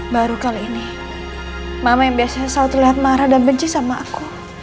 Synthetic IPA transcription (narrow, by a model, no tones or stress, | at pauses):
baɾukaliːni | mamajaŋbiasasaʊt̪uliɦat̪̚maɾadabəɲt͡ʃisamaʔaku